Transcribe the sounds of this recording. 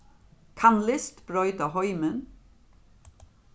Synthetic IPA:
kʰɑnlɪst̪b̥ɾœʏt̪ɑhɔʏmən

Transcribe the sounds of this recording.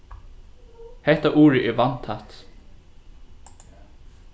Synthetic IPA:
hɛht̪aʔuːɹɪʔɛvant̪ʰat̪

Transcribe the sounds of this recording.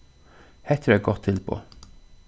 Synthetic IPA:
hæt̪ʰɾʉːæɡɔt̪ʰːɪlpʰo̰

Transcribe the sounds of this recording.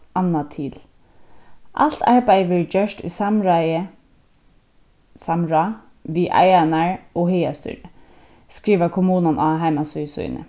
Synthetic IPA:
ɑnɑt̪ʰiːl | ʔɑ̰lt̪ʰɑɹbæɪʋəɹd͡ʒœʃtʏ̰ːsɑmɹæɪə | sɑmɹɑ | ʋiːʔæ̰ɪænæɹoːheɪɑst̪ʏ̰ːɾə | skɹiːʋakʰʊmuːnɑnʔɑɦæɪmɑsœsœ̰ʏnə̰

